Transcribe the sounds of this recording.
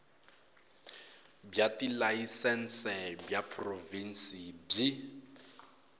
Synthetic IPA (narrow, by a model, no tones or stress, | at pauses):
bjatilaisɛn̩sɛbjapʰʼrovin̩sib͡ʐi